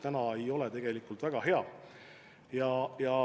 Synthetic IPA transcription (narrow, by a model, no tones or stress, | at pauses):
t̪ænɑe̞jo̞lɛt̪e̞ɡ̥e̞likːˑult̪væɡ̥ɑɦe̞ɑ | jɑjɑ